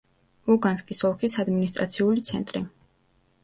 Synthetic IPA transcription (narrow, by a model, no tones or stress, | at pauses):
uɡanskʼisɔlˠkʰisad̪minist̪ʼɾa̰t̪sʰiulit̪sʰɛ̰nt̪ʼɾi